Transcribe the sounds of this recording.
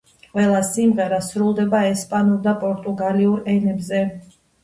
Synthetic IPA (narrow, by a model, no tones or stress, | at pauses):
qʼwɛlˠasimʁɛɾasɾulˠd̪ɛbaɛspʼanuɾd̪apʼɔɾt̪ʼuɡaliuɾɛnɛbzɛ